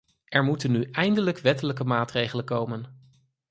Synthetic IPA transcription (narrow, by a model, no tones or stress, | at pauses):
ʔɛɹmutənːyɛjndələkʋɛtələkəmaːtrejχələkowmən